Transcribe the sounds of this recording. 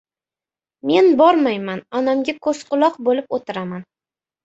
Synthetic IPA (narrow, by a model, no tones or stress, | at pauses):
me̞nbɒɾmajmanɒnamɡʲakʰɵsqʰʊlˠɒqbolɪpot̪ʰɪɾaman